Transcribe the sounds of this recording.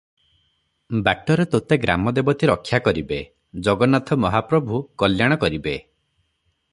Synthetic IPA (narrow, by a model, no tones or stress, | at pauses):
bak̚ʈɔɾet̪ot̪eɡɾa̰mɔd̪ebɔt̪ʰiɾɔkʰːjakɔɾibe | d͡ʒɔɡɔnat̪ʰɔmɔɦapɾɔbʱukɔljaɽ̃ɔkɔɾibe